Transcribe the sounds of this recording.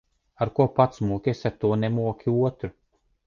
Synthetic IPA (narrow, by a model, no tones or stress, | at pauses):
aɾkuɔpat̪smuɔkʲeɛsʲaɾt̪uɔnɛmuɔkʲiuɔt̪ɾu